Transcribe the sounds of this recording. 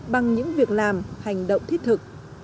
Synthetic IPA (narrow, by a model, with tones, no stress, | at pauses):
ɓa˨˩ŋɲɨ̰˧˥ŋvi˨˩ək̚laː˨˩mha˨˩jŋ̟ɗo̰˧˨wŋ͡mt̪ʰi˦˥t̚t̪ʰɨ˨˩k̚